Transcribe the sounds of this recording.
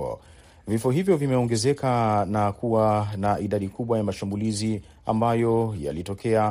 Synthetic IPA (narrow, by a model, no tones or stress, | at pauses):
ɔ̰ | vifɔɦivjɔvimɛɔŋɡɛzɛkanakʰuwanaʔiɗaɗikuɓwajamaʃambulizi | a̰mbajɔja̰litɔkʰɛa